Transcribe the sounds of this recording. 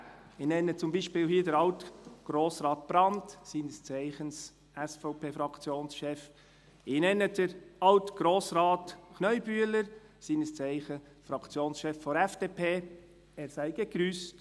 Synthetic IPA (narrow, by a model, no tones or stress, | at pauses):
ɪnɛnːət͡sʊmbiʃpɪːlhiədəɾɑltɡ̥ɾoːsɾɑːt̚b̥ɾɑntsiːnəst͡sæɪχəns | ʔæsfɔʊpʰeːfɾɑkt͡sjoːnsʃɛf | ɪnɛnːəd̥əɾɑwtɡ̥ɾoːsɾɑːtknœʏb̥yːələɾ | siːnəst͡sæɪχə | fɾɑkt͡sjoːnsʃɛfːɔɾɛfd̥epʰeː | ɛːɾsæɪɡ̥əɡɾyːst